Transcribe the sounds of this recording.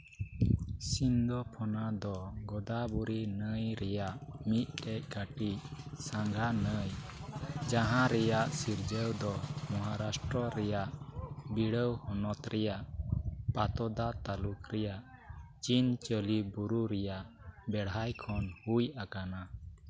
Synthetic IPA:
sind̪ɔpʰɔnad̪ɔɡɔd̪abuɾinəjɾɛjaʔmit̪̚ˀkɛc̚kaʈisaŋɡʱanəj | d͡ʒaɦãɾɛjaʔsiɾd͡ʒəwd̪ɔmɔɦaɾasʈɾɔɾɛjaʔbiɽəwhɔnɔt̪ɾɛjaʔpat̪ɔd̪at̪alukɾɛjaʔt͡ʃint͡ʃəlibuɾuɾɛjaʔbɛɽajkʰɔnhujakana

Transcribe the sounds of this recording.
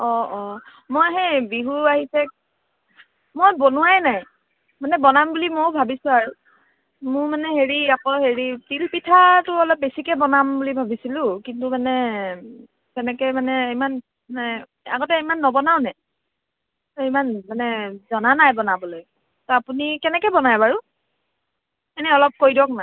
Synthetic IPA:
ɔɔ | mojɦɛjbiɦuaɦisɛ | mojbɔnuwajnaj | manɛbɔnambulimoʊbʱabisʊaɹu | mʊ̃ɹmanɛɦeɹiakɔɦeɹitilpitʰatʊɔlɔp̚besikɛbɔnambulibʱabisilʊ̃kintumanɛ | kɛnɛkɛmanɛeman | anɛ | a̰ɡɔtɛimanːɔbɔnaʊnɛ | tɔemanmanɛzɔnanajbɔnabɔloj | tɔapunikɛnɛkɛbɔnajbaɹu | ɛnɛɔlɔp̚kojdɔk̚naj

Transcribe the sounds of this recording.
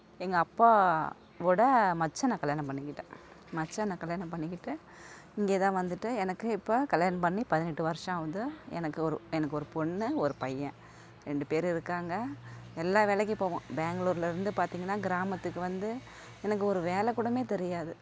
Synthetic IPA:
ɛŋɡɐːpːaː | ʋɔɽɐmɐt͡ʃːɐnãːkɐɭjaːnɐ̃mpɐɳːɪkːɪʈːɐ̃ː | mɐt͡ʃːɐnãːkɐljaːnɐ̃mpɐɳːɪkːɪʈːɯ | ɪŋɡeːt̪ãːʋɐnd̪ɯʈːɯɛnɐkːɯɪpːoːkɐljaːnɐmpɐɳːipɐðɪnɛʈːɯʋɐɾʂɐ̃ɐʋɐðɯɛ̰nɐkːɯɔɾɯɛnɐkːɯɔɾɯpɔɳːɯɔɾɯpɐjːɐ̃ | ɾɛɳɖɯpeːɾɪɾɯkːaːŋɡɐɛlːaːʋeːɭɛk̬ʲːpːoːʋõ̰beːŋɡɐɭuːɾɪlɐɪɾɯnd̪ɯpaːɾt̪iːŋɡɐnːaːɡɪɾaːmɐt̪ːɯkːɯʋɐnd̪ɯ | ɛnɐk̬ːɯɔɾɯʋeːlɛkːuːɽɐmeːt̪ɛɾɪjaːðɯ

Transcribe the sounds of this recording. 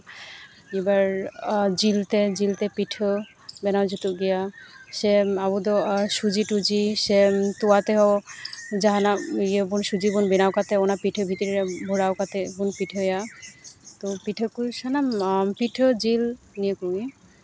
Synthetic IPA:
ebaɾd͡ʑilt̪ed͡ʑilt̪epiʈʰo | bɛnawd͡ʒut̪uɡijaseabud̪ɔʃud͡ʑiʈud͡ʑiʃet̪uat̪eɦɔ | d͡ʒaɦanajebunʃud͡ʑibunbɛnawkat̪eonapiʈʰəbʱit̪iɾiɾebʱoɽawkat̪ʰebunpiʈʰoja | t̪opiʈʰəkusanampiʈʰəd͡ʑilniekui

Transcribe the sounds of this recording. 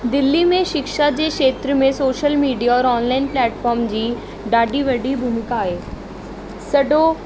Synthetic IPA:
d̪ɪlːimẽʃɪkʃad͡ʑeːʃeːt̪ɾəmẽsoːʃəlmiːɖijaɔːɾɔːnlaːɪnplɛːʈfɔːɾmd͡ʑiː | ɖaːɖiʋɐɖibʱʊmɪkaːɦeː | sɐɖo

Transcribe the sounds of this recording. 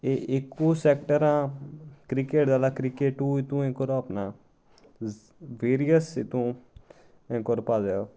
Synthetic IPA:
eʔekːusɛkʈəɾãːkɾikeʈd̪alakɾikeʈuit̪ũẽkɔɾoɐpna | ʋeːɾijəsit̪ũ | ẽkɔɾopadeo

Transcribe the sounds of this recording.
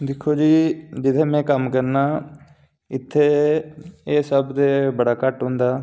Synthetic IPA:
d̪ɪkʰːoːd͡ʒiːd͡ʒɪt̪ʰeːmɛ̃ːkəmkəɾnaː | ɪt̪ʰːeː | eːsəbd̪eːbəɽaːkəʈɦʊ̃ːnd̪aː

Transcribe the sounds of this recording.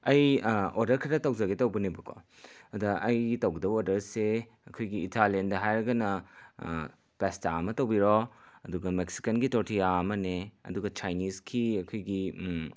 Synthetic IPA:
ɐjodɐɾkʰɾɐtɐwzɐɡetɐwbɐnibɐkʰo̰ | ɐdɐʔɐjtɐwɡidɐboɾdɐɾse | ɐkʰojɡiːtʰalendɐɦajɾɐɡɐnɐ | pestaɐmɐtɐwbiɾoɐduɡɐmeksi̥kɐnɡitoɾtʰiaɐmɐneɐ̰duɡɐt͡ʃajniskʰiɐkʰojɡi

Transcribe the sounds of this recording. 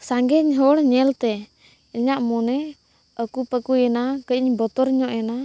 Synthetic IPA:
saŋɡɛɲɦɔɽɲɛlt̪ɛ | iɲaʔmɔnɛ | ɔkupəkuɛnakəiɲbɔt̪ɔɾɲɔʔɛna

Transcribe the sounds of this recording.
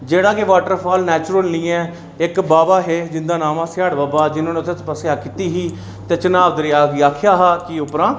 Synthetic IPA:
d͡ʒeːɽaːkeʋaːʈəɾpʰaːlnɛːt͡ʃʊɾəlnĩːɛː | ɪkbaːbaːɦeːd͡ʒɪnd̪aːnaːmãːsɪaːɽbaːbaːd͡ʒɪnõːneʊt̪ʰeːt̪ːpəsjaːkit̪iːɦiː | t̪eːt͡ʃənaːbd̪əɾɪaːɡiːaːkʰjaːɦaːkiːʊpɾãː

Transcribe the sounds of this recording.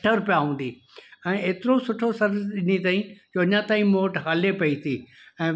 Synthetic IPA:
ʈəɾpɪjaɦũːn̆d̪iː | ɛ̃ːeːt̪ɪɾosʊʈʰosɐɾzɗɪnit̪aːĩd͡ʑoːɐɲãt̪aːĩmoːʈɦaːlepɐit̪ʰiː | ɛ̃ː

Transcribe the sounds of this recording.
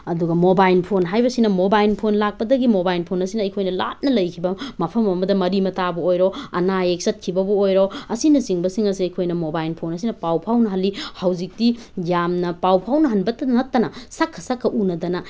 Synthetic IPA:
ɐduɡɐmobajlpʰonɦajbɐsinɐmobajlpʰonlak̚pɐdɐɡimobajlpʰonɐsinɐːjkʰojnɐla̰t̚nɐlɐjkʰibɐmɐpʰɐmɐmɐdɐmɐɾimɐtabɐojɾoɐ̰naek̚sɐt̚kʰibɐbɐojɾoɐsinɐsiŋbɐsiŋɐs̬iɐjkʰojnɐmobajlpʰonɐs̬inɐpawpʰawnɐɦɐlːihawzik̚tijamnɐpawpʰawnɐɦɐnbɐtɐnɐtːɐnɐsakʰːɐ̥sakʰːɐʔunɐdɐnɐ

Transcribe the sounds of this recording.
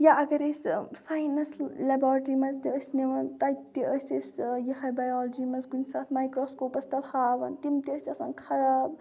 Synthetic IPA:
jaʔɐɡɐɾessajnɐslɐbaːɾʈɾimɐzt̪iəsneʋɐnt̪ɐjt̪iəsesjɐhɐjbɐjɔːld͡ʒimɐzɡunsaːt̪ʰmajkɾoːskopɐst̪ʰɐlhaːʋɐnt̪imt̪iəsʲɐsaːnkʰɐɾaːb

